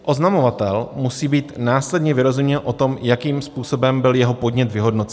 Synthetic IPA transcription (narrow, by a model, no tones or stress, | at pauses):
ʔo̞znamo̞vat̪ɛlmusiːbiːt̪naːslɛdɲɛvɪɾo̞zumɲɛlʔo̞t̪o̞mjakiːmspuːso̞bɛmbɪljɛɦo̞po̞dɲɛt̪vɪɦo̞dnot͡s